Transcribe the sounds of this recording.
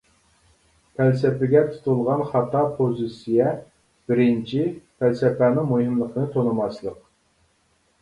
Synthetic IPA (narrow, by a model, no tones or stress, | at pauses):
pʰælsɛpɪɡʲɛt̪ʰu̥t̪ʰulˠʁɑnχɑt̪ʰɑpʰozɨsijɛ | b̥ɪɾɪnt͡ʃʰipʰælsɛpænɨŋmuhɨmlˠəqnɨt̪ʰonɨmɑslˠəq